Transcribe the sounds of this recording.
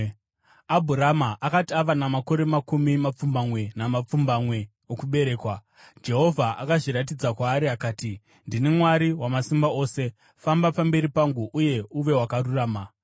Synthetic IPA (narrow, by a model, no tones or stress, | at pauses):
abʱuɾamaʔakatiaʋanamako̞ɾe̞makumimap͡fumbamwe̞namap͡fumbamwe̞ | okuɓe̞ɾe̞ːkwa | d͡ʒe̞ɦo̞vʱaʔakaʐiɾat̬id͡zakwaːɾiakaːti | ndinemwaɾiwamasimbao̞ːse̞ | fambapambe̞ɾipaŋɡuʔuje̞uʋe̞ɦwakaruraːma